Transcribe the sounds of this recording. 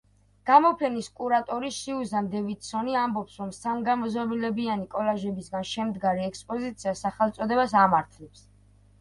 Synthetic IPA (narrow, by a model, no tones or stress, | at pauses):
ɡ̥amɔpʰɛniskʼuɾat̪ʼɔɾiʃiuzamd̪ɛvit̪sɔniambɔpsɾɔmsaŋɡamɔzɔbilɛbianikʼɔlaʒɛbisɡanʃɛmd̪ɡaɾiɛkspʼɔzit̪sʰiasaχɛlˠt̪sʼɔd̪ɛbasamaɾt̪ʰlɛps